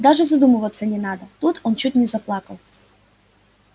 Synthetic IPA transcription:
d̪aʐɨzɐd̪umɨvət̪sːənʲɪnad̪ət̪ut̪ont͡ɕut̚ʲnʲɪzɐplˠɑkəlˠ

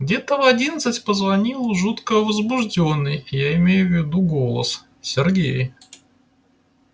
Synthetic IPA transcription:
ɡdʲe̞t̪əvɐdʲinət̪sɨtʲpəzvɐnʲilˠʊʐut̪kəvəzbʊʐdʲo̞nːɨjjaɪmʲejʊvʲːɪd̪uɡo̞lˠə̰s | sʲɪrɡʲḛj

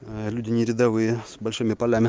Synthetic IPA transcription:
lʲudʲɪnʲɪɾʲɪd̪ɐvɨjəsbɐlʲʂɨmʲɪpɐlʲæmʲɪ

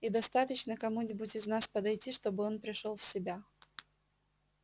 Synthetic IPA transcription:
id̪ɐst̪at̪ət͡ɕnəkɐmunʲɪbʊtʲɪznaspəd̪ɐjtʲiʂt̪o̞bɨo̞npɾʲɪʂolˠfsʲɪbʲa

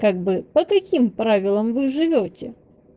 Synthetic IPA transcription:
kaɡ̚bɨpəkɐkʲimpɾavʲɪlˠəmvɨʐɨvʲotʲɪ

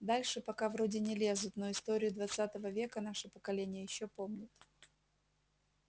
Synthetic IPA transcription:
d̪alʲʂɨpɐkavɾodʲɪnʲɪlʲe̞zʊt̪noɪst̪oɾʲɪjʊd̪vɐt̪sat̪əvəvʲe̞kənaʂɨpəkɐlʲenʲɪjəjɪɕːopo̞mnʲʊt̪

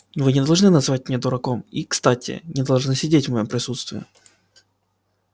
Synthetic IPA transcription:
vɨnʲɪd̪ɐlˠʐnɨnɐzɨvat̚ʲmʲnʲed̪ʊɾɐkomikst̪atʲʰɪ̰nʲɪd̪ɐlˠʐnɨsʲɪdʲetʲvməjompɾʲɪsut̪st̪vʲɪ̰ʊ̰

